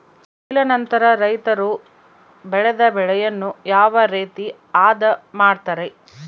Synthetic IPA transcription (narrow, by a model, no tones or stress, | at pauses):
ilɐnɐnt̪ɐɾɐɾɐjt̪ɐɾu | bɛɭɛd̪ɐbɛɭɛjɐnːujaːʋɐɾeːt̪i | aːd̪ɐmaːɖt̪ɐɾe